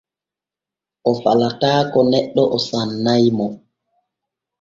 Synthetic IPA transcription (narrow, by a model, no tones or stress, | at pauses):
ʔɔfalataːkɔnɛɗːɔʔɔsanːajmɔ